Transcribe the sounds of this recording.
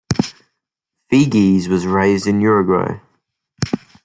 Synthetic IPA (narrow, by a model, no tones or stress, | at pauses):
fiɡizwɒzɹeɪzdɪ̃njʊɹəɡwə̰ʊ